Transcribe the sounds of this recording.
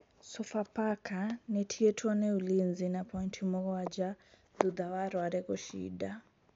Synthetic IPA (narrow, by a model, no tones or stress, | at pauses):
sɔfapakʰanɛtʰiɛtʰɔnɛulinzinapʰɔintʰimɔkɔad͡ʒa | d̪ud̪awaɾwaɾɛkɔʃḭda